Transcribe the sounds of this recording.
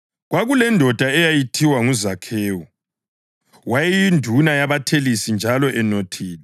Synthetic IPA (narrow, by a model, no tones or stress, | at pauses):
ɣwaɣulɛndʱɔd̥ʱaɛjajitʰiwaŋuzakʰeːwɔ | wajɛjindʱunajaβatʰelisind͡ʒʱalɔʔɛnotʰiːlɛ